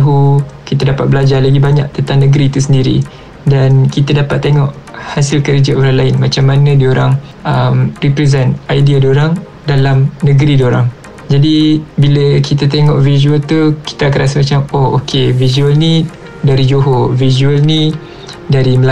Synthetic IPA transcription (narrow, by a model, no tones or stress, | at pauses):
ɦukit̪adapat̪̚bəlad͡ʒalaɡibaɲa̰ʔ̚t̪ənt̪aŋnəɡɾit̪us̬əndiɾḭ | dankit̪adapat̪ːeŋɔʔhasɪlkəɾd͡ʒaʔoɾaŋlaɪnmat͡ʃamːanə̃dioɾaŋʔəmripɾɛzɛnt̪ajdiadoɾaŋ | dalamnəɡɾidoɾaŋ | d͡ʒadibiləkit̪at̪̬eŋɔʔvizuəlt̪uki̥t̪akəɾasəmat͡ʃamoo̰kʰevizuəlni | daɾid͡ʒoɦovizuəlni | daɾiməl